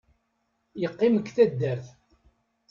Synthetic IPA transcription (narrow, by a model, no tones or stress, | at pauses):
jəqːiməkːθæd̪ːæɾθ